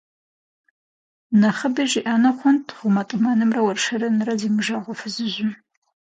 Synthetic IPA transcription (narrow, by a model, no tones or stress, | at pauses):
nɐχəbiʒiʔaːnɐχʷʊntʰʁʷʊmɐtʼɨmanɨmrɐwɐrʃɐɾɨnɨrɐzimɨʒaːʁʷɔfɨzɨʑʷʊ